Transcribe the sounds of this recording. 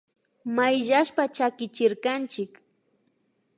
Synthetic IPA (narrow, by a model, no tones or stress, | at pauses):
majʒaʃpat͡ʃakɪt͡ʃɪɾkant͡ʃɪk